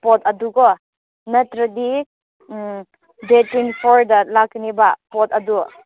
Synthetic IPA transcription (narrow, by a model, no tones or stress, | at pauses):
pɔtɐduɡɔ | nɐtɾɐdi | detinpʰɔɾdɐlaknibapɔtɐdu